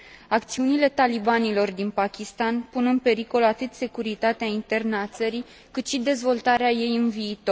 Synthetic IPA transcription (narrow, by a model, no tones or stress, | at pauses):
ak̚t̪siunile̞t̪alibanilo̞rd̪inpakʲist̪anpunɨnpe̞ɾiko̞lat̪ɨt̪se̞kuɾit̪at̪eaint̪e̞rnəat̪səɾi | kɨt̪ʃid̪e̞zvo̞lt̪aɾeaje̞jɨnviːt̪o̞r